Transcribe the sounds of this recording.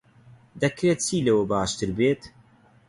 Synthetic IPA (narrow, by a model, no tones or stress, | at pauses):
d̪ɐkɾeːt̪̚t͡siːlɐwɐbaːʃt̪ɨɾbeːt̪